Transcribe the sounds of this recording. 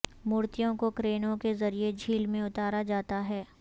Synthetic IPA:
mʊːɾt̪ijõkokɾeːnõkezɐɾied͡ʒʱiːlmẽʊt̪aːɾad͡ʒaːt̪aɦɛː

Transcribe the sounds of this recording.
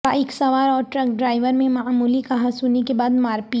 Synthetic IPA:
a̰ɪksɐʋaːɾɔːɾʈɾɐk̚ɖɾaːɪʋəɾmẽmaːmuːlikɐɦãsuːnekebaːd̪maːɾpi

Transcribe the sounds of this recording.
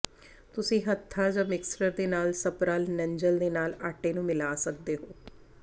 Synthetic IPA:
t̪ʊsĩːɦət̪ʰːaːd͡ʒəmɪksʈəɾd̪eːnaːlsəpɾaːlnəɲd͡ʒəld̪eːnaːlaːʈeːnũːmɪlaːsək̚d̪eːɦoː

